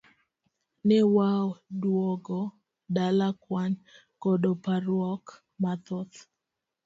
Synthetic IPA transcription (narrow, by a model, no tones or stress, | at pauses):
nɛwawdwɔɡɔ | dalakwan | kɔdopaɾwɔk | mat̪ʊt̪